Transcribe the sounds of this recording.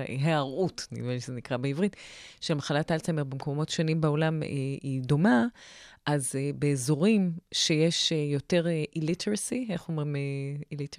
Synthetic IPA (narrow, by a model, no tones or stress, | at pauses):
ɦeaʁʔutnḭvinʃezenikʁabeivʁitʃelmaχalatalt͡sameʁbemkomo̞tʃonimbeo̞lamḛido̞maʔazebeːzo̞ʁimʃejeʃejo̞te̞ʁʔilitʰeʁasieχuomʁimeilit